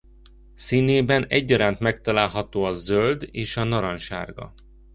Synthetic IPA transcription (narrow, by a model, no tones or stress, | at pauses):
siːneːbɛnɛɟːɒɾaːnt̪mɛk̚t̪ɒlaːlɦɒt̪oːɒzøld̪eːʃɒnɒɾɒnʃa̰ːrɡɒ̰